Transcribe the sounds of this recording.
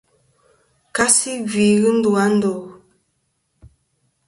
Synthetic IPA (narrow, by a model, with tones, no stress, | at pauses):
ka˦si˦vi˨ɣɨ˦n̩˦du˨a˦n̩˦do˨